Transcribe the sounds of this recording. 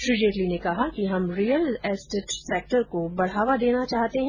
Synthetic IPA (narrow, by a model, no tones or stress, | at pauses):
ʃʊd͡ʒeːʈlinekɐɦakiɦɐmɾiːjəlɛːsʈeʈseːk̚ʈəɾkobɐɽ̤aːʋad̪eːnat͡ʃaːɦt̪eɦɛ̃